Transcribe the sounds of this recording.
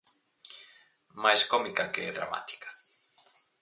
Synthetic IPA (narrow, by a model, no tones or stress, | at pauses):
majskɔmikɐkeɛ̰ðɾa̰ma̰t̪i̥kḁ